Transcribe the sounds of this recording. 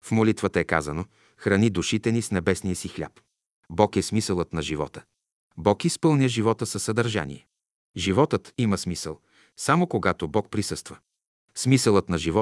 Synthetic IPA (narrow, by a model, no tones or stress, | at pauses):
fmolit̪vət̪əɛka̰zəno | xɾɐnid̪uʃit̪ɛnisnɛbɛsnijəsixlʲa̰p | bɔkɛsmisəlˠət̪nɐʒivɔ̰t̪ə̥ | bɔkispɤlˠnʲəʒivɔt̪əsɐsːɐd̪ɐɾʒa̰nḭɛ | ʒivɔt̪ət̪iməsmisəlˠ | samokoɡat̪obɔk̚pɾisɤst̪və | smisəlˠət̪nɐʒivɔ